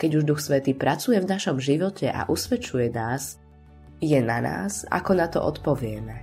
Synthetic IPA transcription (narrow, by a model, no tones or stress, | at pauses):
kɛɟuʒd̪uxsʋɛt̪iːpɾat͡sujɛvnaʃɔmʒiʋɔcʰɛʔa̰ʔusʋɛt͡ʃujɛnaːs | jɛnana̰ːsa̰kɔnat̪ɔ̰ʔɔ̰t̪pɔʋɪɛmɛ